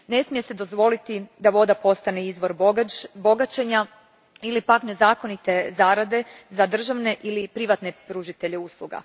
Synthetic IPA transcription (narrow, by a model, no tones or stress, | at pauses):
ne̞smijese̞d̪o̞zʋo̞lit̪id̪aʋo̞d̪apo̞st̪aneizʋo̞ɾbbo̞ɡat͡ʃe̞ɲa | ilipakne̞zaːko̞nit̪e̞zaɾad̪e̞zad̪r̩ʒaʋne̞ʔilipɾiʋat̪ne̞pɾuʒit̪e̞ʎeuːslˠuɡa̰